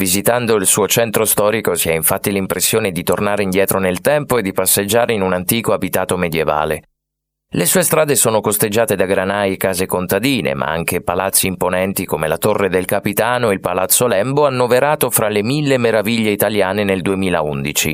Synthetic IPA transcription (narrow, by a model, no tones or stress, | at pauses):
vizit̪and̪oilsuːot͡ʃɛnt̪ɾost̪ɔːɾikosiɛiɱfat̪ːilimpɾesːjoːned̪it̪ornaːɾeind̪jɛːt̪ɾonelt̪ɛmpoed̪ipasːed͡ʒːaːɾeinunant̪iːkoabit̪aːt̪omed̪jeva̰ːle | lesuːest̪ɾaːd̪esoːnokost̪ed͡ʒːaːt̪ed̪aɡɾanajekaːzekont̪ad̪iːnḛmʔa̰a̰ŋk̟epalat̪sːiːmponɛnt̪ikomelat̪orːed̪elkapit̪aːnoilpalat̪sːolɛmboanːoveɾaːt̪ofɾalemilːemeɾaviʎːeit̪aljaːneneld̪uemiːla̰und̪it͡ʃḭ